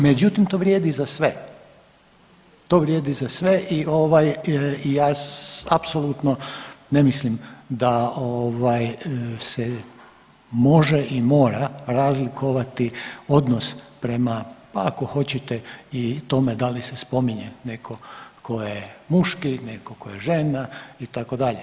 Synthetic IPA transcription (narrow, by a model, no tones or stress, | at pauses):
me̞d͡ʑut̪imt̪o̞ʋɾʲjeːd̪izasʋe̞ | t̪o̞ʋɾjeːd̪izasʋe̞ʔio̞ʋajijaːapsolˠut̪none̞mislimd̪aoʋajse | mo̞ʒeʔimo̞ːɾaɾazlikoʋat̪io̞d̪nospɾe̞mapaako̞xo̞t͡ɕet̪eit̪o̞med̪alisespo̞miɲenekʰo̞kʰo̞jemuʃkinekokojeʒe̞nait̪ako̞d̪aʎe